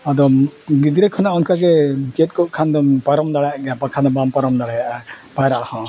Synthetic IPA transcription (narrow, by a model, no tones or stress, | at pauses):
ad̪ɔɡid̪ɾɛkʰɔnaʔɔnkaɡɛd͡ʒet̪̚kɔʔ̚kʰand̪ɔmpaɾɔmd̪aɭaɡapakʰanabampaɾɔmd̪aɭajaʔ | pajɾaʔhɔ̃